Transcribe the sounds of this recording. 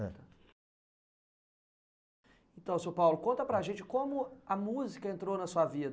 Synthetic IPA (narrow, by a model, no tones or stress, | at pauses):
ẽt̪ɐ̃w̃sopawlʊkõnt̪ɐpɾɐʒẽnt͡ʃɪ̥kõmʊɐmuzikɐẽnt̪ɾownɐsuɐvid̪